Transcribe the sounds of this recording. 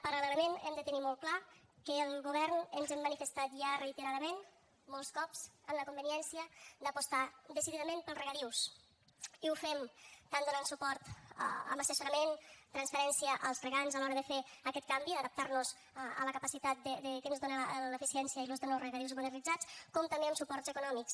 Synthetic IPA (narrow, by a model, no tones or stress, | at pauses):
pəɾələləmenɛmd̪ət̪ənimɔlˠt̪̚klakəlˠɣuβ̞ɛɾnənzɛmːənifəst̪at̪ʒarəit̪əɾaðəmen | mɔlˠskɔpzənləkumbəniɛnsiəd̪əpust̪ad̪əsiðiðəmenpəlˠzrəɣaɾiws | iufɛmt̪and̪unansupɔɾt̪ə̰mbəsəsuɾəment̪ɾənsfəɾɛnsiəʔəlˠzrəɣanzalɔɾəðəfeəkɛt̪̚kambiəðəp̚t̪aɾnuz | ələkəpəsit̪at̪̚d̪əd̪əkənzðonaləfisiɛnsjəilozðonawrəɣaɾiwzmunəɾnid͡zat͡skɔmt̪ɐmbeəmsupɔɾt̪zəkunɔmiks